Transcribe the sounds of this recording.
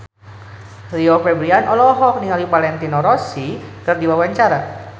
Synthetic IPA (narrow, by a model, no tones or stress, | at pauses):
liofɛbɾianʔɔlɔɦɔk̚niŋalipalɛnt̪inɔɾɔsikərdiwawaɲt͡ʃaɾa